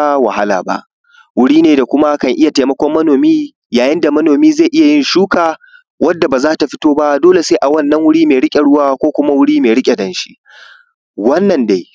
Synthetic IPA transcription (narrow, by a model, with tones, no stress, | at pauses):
wɐ˨ha˦la̰ː˨ba̰˦ʔ | wʊ˦ɽiː˦neː˨da˨kʷʊ˦ma˦kɐ˨ŋʔɪ˦ja˨teː˨mɐ˦kʷɔ˦mːɐ˦noː˨miː˦ | jaː˨jɪ˦nda˨mɐ˦noː˨miː˦ze˦˨jʔɪ˦ja˨jɪ˦nʃuː˦kaː˨ | wɐ˦dːa˨baː˨zaː˦ta˨ɸɪ˦toː˦ba˦doː˦le˨seː˦ʔa˨wɐ˦˨nːɐ˦ŋwʊ˦ɽiː˦meː˨ɽɪ˦kʲʼe˨ɽʊ˦waː˦kʷoː˦kʷʊ˦ma˦wʊ˦ɽiː˦meː˨ɽɪ˦kʲʼe˨dɐ˦nʃi̥˦ʔ | wɐ˦nːɐ˨nda˦j